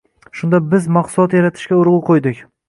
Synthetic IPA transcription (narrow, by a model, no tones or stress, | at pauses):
ʃʊnd̪abɪzmɑqsʊlˠɒt̪jaɾat̪ʰɪ̥ʃkʲaʊɾʁʊqʰojd̪ɪkʲ